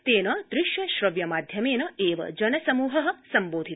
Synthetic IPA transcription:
t̪eːnɐd̪̥ɾɪʃjɐʃɾɐʋjɐmaːd̪ʱjɐmeːnɐeːʋɐ̰d͡ʒɐnɐsɐmuːɦɐɦɐ̆sɐmboːd̪ʱi

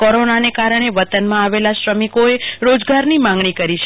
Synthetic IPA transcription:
kɔɾonanekaɾəɳ̃eʋət̪ənmãaʋelaʃɾəmikoeɾod͡ʒɡaɾnimãŋɡɳikəɾit͡ʃʰ

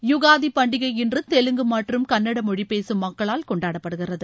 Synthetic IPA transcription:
jʊɣaːðipɐɳɖɪɣɐɪjɪndrɯt̪ɛlɯŋɡɯmɐːʈrɯmkɐnːɐɽɐmɔɻipeːsɯmːɐkːɐɭaːlkɔɳɖaːɽɐpːɐɽɯɣɪrɐðɯ

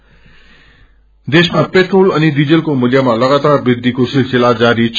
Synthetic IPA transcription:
d̪eːʃmãpeʈɾoːlɐnid̪id͡ʑəlkomʊlijamãlɐɣaːt̪aːɾbɪɡd̪ikosɪlsɪlaːt̪̚d͡ʑaːɾit͡ɕʰ

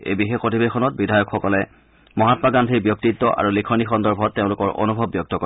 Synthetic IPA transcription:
ḛjbixexpotibexʰɔnɔt̚bidʱajɔkxɔkɔlɛ | mɔɦatmaɡantʰibjɔk̚titːɔʔa̰ɹulikʰɔɹnixɔndɔɹbʱɔtːeʊ̃lʊkɔɹʔo̰nubʱɔbːjɔk̚tɔkɔ

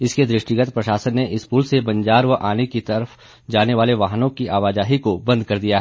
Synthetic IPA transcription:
ɪsked̪ɾɪʃʈiɡət̪pɾɐʃaːsənːeʔɪspuːlsebɐ̃ɲd͡ʒaːɾʋəʔaːnekit̪ɐɾəf | d͡ʒaːneʋaːleʋaːɦnõkiʔaːʋaːd͡ʒaːɦikobɐ̃nd̪̚kɐɾd̪ijaɦɛ

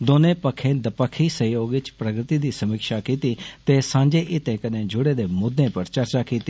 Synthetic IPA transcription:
d̪oːnẽːpəkʰːẽːd̪əpəkʰːiːsəjoːɡʋɪt͡ʃpɾəɡɾt̪iːd̪iːsəmɪkʃaːkiːt̪iːt̪eːsãːd͡ʒeːʔɪt̪ẽːkəneːd͡ʒʊɽeːd̪eːmʊd̪ʱːẽːpəɾt͡ʃəɾt͡ʃaːkiːt̪iː

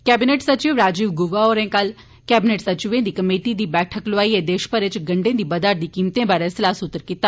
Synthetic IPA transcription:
kɛːbɪneːʈsət͡ʃɪʋɾaːd͡ʒɪʋɡʊʋaːoːɾẽːkəl | kɛːbɪneːʈsət͡ʃɪʋẽːd̪iːkəmeːʈiːd̪iːbɛːʈʰəklʊaːiːeːd̪eːʃpəɾɪt͡ʃɡəɳɖẽːd̪iːbəd̪aːɾ̚d̪iːkiːmt̪ẽːbaːɾeːsɪlaːsʊt̪ːəɾkiːt̪ːaː

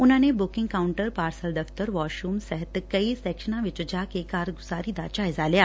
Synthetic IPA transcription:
ʊnɦãːnebʊkɪ̃ŋɡkaːwʊɳʈəɾpaːɾsəld̪ɐft̪əɾʋɔːʃumsɛɦət̪kɐisɛːkʃənãʋɪt͡ʃd͡ʒaːkekaːɾɡʊzaːɾid̪ad͡ʒaːɪzalijaː

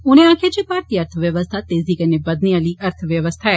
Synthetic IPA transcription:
ʊnẽãːkʰet͡ʃepaːɾt̪iɐɾt̪ʰəʋjəʋəst̪ʰat̪eːzikɐnebɐd̪niəliɐɾt̪ʰəʋjəʋəst̪ʰaɛ

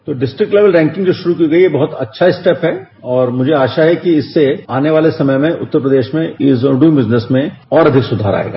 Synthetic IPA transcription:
t̪oːɖɪsʈɾɪk̚ʈleːʋəlɾɛ̃ːŋkɪ̃ŋɡd͡ʒoːʃʊɾuk̬iɡɐijebɐɦʊt̪ɐtːʃʰaɪsʈɛpɦɛ | ɔːɾmʊd͡ʒʱeaːʃaɦɛkiɪsːeaːneʋaːlesɐməjmẽʔʊ̰t̪ːəɾpɾəd̪eːʃmẽɪsoɖuĩmbɪznesmẽɔːɾɐd̪ʱɪksʊd̪ʱaːɾa̰ːḛːɡa̰ː

